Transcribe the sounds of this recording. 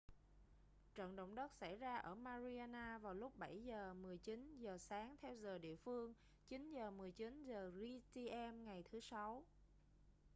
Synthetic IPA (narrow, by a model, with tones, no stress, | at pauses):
t͡ɕə̰˧˨nɗə̰˧˨wŋ͡mɗə˦˥t̚sa˧˩jzaː˧ʔəː˧˩maː˧zi˧aː˧naː˧vaː˨˩wlʊ˦˥k͡p̚ɓa˧˩jzəː˨˩mɨ˨˩əjt͡ɕi˨˦nzəː˨˩saː˨˦ŋt̪ʰɛ˧wzəː˨˩ɗḭ˧˨əfɨ˧əŋ | t͡ɕi˨˦nzəː˨˩mɨ˨˩əjt͡ɕi˨˦nzəː˨˩ɣi˧t̪i˧ʔɛ˧mŋa˨˩jt̪ʰɨ˨˦sa˨˦w